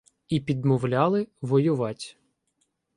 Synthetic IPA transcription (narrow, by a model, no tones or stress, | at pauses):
ipʲid̪mɔwlʲɑlˠɪʋɔjʊʋɑtʲ